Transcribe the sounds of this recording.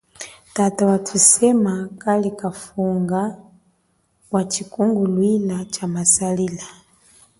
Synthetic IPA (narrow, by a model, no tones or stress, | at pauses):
tatawatʰusɛmakalikafuŋɡa | wat͡ʃikuŋɡulwilat͡ʃamasalila